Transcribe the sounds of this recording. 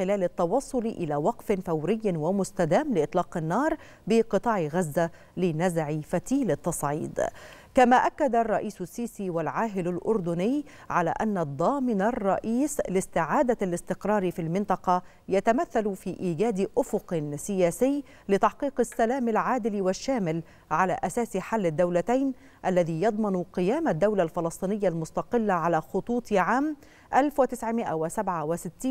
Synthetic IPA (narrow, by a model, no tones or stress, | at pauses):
ɪlaːlat̪ːɑwɑsˤːʊlʔɪ̰laːwɑqfɪnfawɾɪjːwamʊst̪ad̪aːmlɪʔɨt̪ˤlɑːqɪnːɑːɾˤ | bɪqɨt̪ˤɑːʕɪɣazːa | lɪnazʕɪfat̪iːlɪt̪ːɑsˤʕḭːd̪kamaːʔakːad̪arˤːɑʔiːsʊsːiːsiːwalʕaːɦɪlalʔʊ̰ɾd̪ʊnɪj | ʕala̰ːʔanːad̪ˤːɑːmɪnarˤːɑ̰ʔiːslɪst̪ɪʕaːd̪alɪst̪ɪqɾˤɑːɾˤfilmɪnt̪ˤɑqɑ | jat̪amaθːalfiːʔiːɡaːd̪ʔʊfʊqsɪjæːsɪjː | lɪt̪ɑħqiːqɪsːalaːmalʕaːd̪ɪlwɪʃːaːmɪl | ʕala̰ːʔasaːsħalːɪd̪ːawlat̪ajn | ʔalːaðiːjɑd̪ˤmɑnqɪjaːmad̪ːawlalfɑlɑsˤt̪ˤiːnɪjːalmʊst̪ɑqɪlːaʕalaːxʊt̪ˤuːt̪ˤʕaːm | ʔalfwɪt̪ɪsʕmɪʔa̰wɪsabʕawɪsɪt̪ːiːn